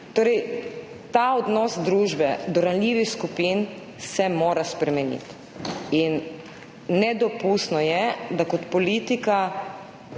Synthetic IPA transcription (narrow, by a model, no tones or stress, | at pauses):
t̪oːɾɛj | t̪aɔd̪nɔːsd̪ɾuːʒbɛd̪ɔɾanlʲiːʋixskupin | sɛmoːɾaspɾɛmɛnḭt̪ | inː | ɛd̪ɔpust̪nɔjɛd̪akɔt̪pɔliːt̪ika